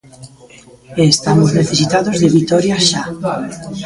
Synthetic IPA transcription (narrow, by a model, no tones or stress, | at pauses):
est̪amozneθesit̪aðozðeβit̪ɔɾjaʃa